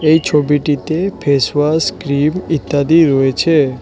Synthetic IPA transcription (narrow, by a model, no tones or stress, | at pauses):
ejt͡ʃʰobiʈit̪epʰesʋaskɾimit̪ːad̪iɾɔet͡ʃʰe